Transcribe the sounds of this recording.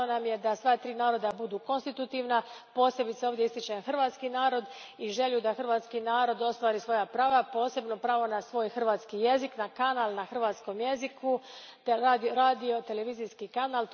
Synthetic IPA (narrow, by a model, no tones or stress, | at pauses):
onamje̞d̪asʋaːt̪ɾiːnaːɾo̞d̪abud̪uːko̞nst̪it̪ut̪iːʋnapo̞ːse̞bit̪seoʋd̪je̞ist̪it͡ʃenaxr̩ʋaːt̪skinaːɾo̞d̪ | iʒe̞lud̪axr̩ʋaːt̪skinaːɾo̞d̪o̞st̪ʋaːɾiːsʋo̞japɾaːʋapo̞ːse̞bno̞pɾaːʋo̞nasʋo̞ːjxr̩ʋaːt̪skije̞ziknakanaːlnaxr̩ʋaːt̪sko̞mje̞zikʰu | t̪aːd̪iɾaːd̪io̞t̪e̞le̞ʋiːzijskikanaːl